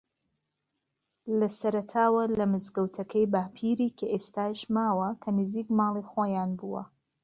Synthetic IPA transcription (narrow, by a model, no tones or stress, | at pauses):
lɐsɐɾɐt̪ʰaːwɐlɐmɨzɡɐwt̪ʰɐkʰɐjbaːpʰiːɾiːkʰɐʔeːst̪aːʃmaːwɐkʰɐnɨziːkmɑːlˠixwaːjaːnbuːwɐ̰